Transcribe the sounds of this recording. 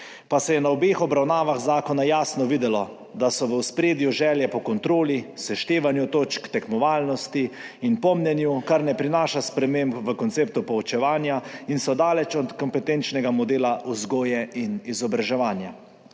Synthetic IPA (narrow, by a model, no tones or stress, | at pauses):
pasɛjɛnaɔbexɔbɾawnaːʋaxzaːkɔnajaːsnɔʋiːd̪ɛlɔ | d̪asɔʋəwspɾeːd̪juʒɛːljɛpɔkɔnt̪ɾoːlisɛʃt̪eːʋanjut̪oːt͡ʃkt̪ɛkmɔʋaːlnɔst̪iinpɔmnʲɛnjukaɾnɛpɾinaːʃaspɾɛmeːmbʋəkɔntseːp̚t̪upɔut͡ʃɛʋaːnjainsɔd̪aːlɛt͡ʃɔt̪kɔmpɛt̪ent͡ʃnɛɡamɔd̪eːlaʔuzɡoːjɛinizɔbɾaʒɛʋaːnja